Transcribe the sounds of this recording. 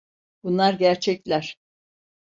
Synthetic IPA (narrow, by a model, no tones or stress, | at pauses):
b̥unlˠaɾɟæɾt͡ʃʰɛclʲæɾ̥